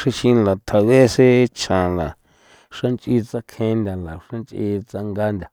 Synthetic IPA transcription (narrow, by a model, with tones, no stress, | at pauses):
ʂa˧ʃĩ˧la˨t̪ʰa˨βe˦se˦t͡ʃʰã˨la˨ | ʂã˦nt͡ʃʼʔi˧t͡sa˧kʰẽ˧nd̪ʲa˨la˨ʂã˦nt͡ʃʔḭ˧t͡sa˧ŋɡa˧nd̪ʲa˨